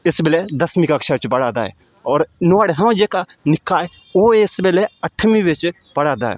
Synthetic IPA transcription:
ɪsbɪlɛd̪əsmikaːkʃat͡ʃpəɽaːd̪aːɦɛ̰ː | ɔːɾnʊaːɽeɦãːd͡ʒeːkanɪkːaːɛ | oːɪsbeːlɛəʈʰmĩːʋɪt͡ʃpəɽaːd̪a̰ːɦɛ̰ː

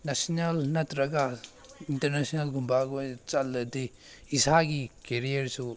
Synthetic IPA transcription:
nesnɐlnɐt̪ɾɐɡa | intɐɾnesinɐlɡʱumbʱaɡojt͡ʃɐlːɐdi | isaɡikeɾijɐɾsu

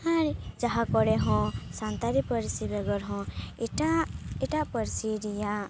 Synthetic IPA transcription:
haɾd͡ʒaɦakɔɽɛɦɔ̃sant̪aɾipəɾsibɛɡɔɾɦɔ̃ʈaiʈaʔpəɾsiɾija

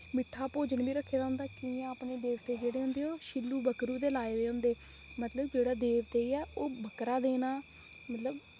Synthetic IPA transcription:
mɪʈʰːaːpoːd͡ʒənbiːɾəkʰːeːd̪aːɦʊ̃nd̪aːkiãːpneːd̪eːʋt̪eːd͡ʒeːɽeːɦʊ̃nd̪eːɦoːʃɪlːuːbəkɾuːd̪eːlaːeʋeːɦʊ̃nd̪eː | mət̪ləbd͡ʒeːɽaːd̪eːʋt̪eːiaːʔoːbʱəkɾaːd̪eːnaː | mət̪ləb

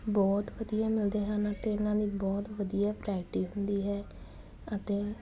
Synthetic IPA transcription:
bɔːt̪ʋəd̪ijaːmɪld̪eːɦənət̪eːʊnãːd̪iːbɔːt̪ʋəd̪ijaːpɾɛːkʈiːɦʊnd̪iːɦɛː | ət̪eː

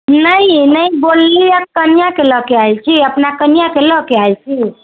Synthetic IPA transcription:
nəinəibolːiakənijakeləkeajt͡ʃʰiəpnakənijakeləkeajt͡ʃʰi

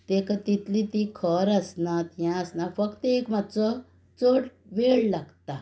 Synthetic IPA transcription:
t̪ekat̪it̪lit̪ikʰəɾəsnat̪jãəsnafəkt̪ekmat̪t͡sɔ | t͡soɽ | ʋeɭlaɡt̪a

